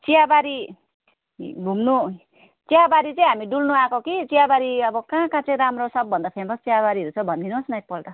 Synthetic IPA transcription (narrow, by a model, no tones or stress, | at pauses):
t͡siabaɾi | ɡʱumnu | t͡siabaɾit͡sʌĩɦamiɖulnuakokit͡sijabaɾiʌbʌkãːkãt͡sʌĩɾamrosʌbːʌnd̪ʌpʰemʌst͡siabaɾiɦʌɾut͡sʰʌbʱʌnd̪inosnajk̚pʌlʈ̪ʌ